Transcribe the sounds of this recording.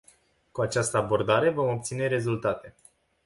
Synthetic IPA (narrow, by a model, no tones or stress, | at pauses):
kuat͡ʃast̪əabo̞rd̪aɾe̞vo̞mo̞p̚t̪sine̞ɾe̞zult̪at̪e̞